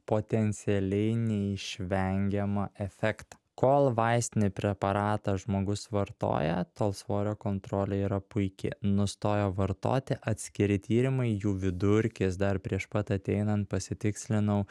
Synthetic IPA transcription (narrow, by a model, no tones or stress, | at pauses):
poːt̪ʲɛnʲt̪sʲɪɛlʲɛɪnʲɛɪʃʲʋʲɛŋʲɡʲɛmɐʔɛfʲɛːkt̪ɐ̥ | koːlˠʋɐɪsʲt̪ʲɪnʲɪpʲɾʲɛpɐɾɑːt̪ɑʒmoːɡʊsʋɐɾt̪o̰ːjɛ̰t̪oːlˠsʋoːɾʲoːkoːnt̪ɾoːlʲɛiːɾɐpʊɪkʲɪ̰nʊst̪oːjoːʋɐɾt̪o̰ːt̪ʲɪʔɐt̪ʲsʲkʲɪɾʲɪt̪ʲiːɾʲɪmɐɪjuːʋʲɪd̪ʊɾʲkʲɪs̬d̪ɐɾpʲɾʲiɛʃpɐt̪ɐt̪ʲɛɪnɐnt̪̚pɐsʲɪt̪ʲɪksʲlʲɪnɐʊ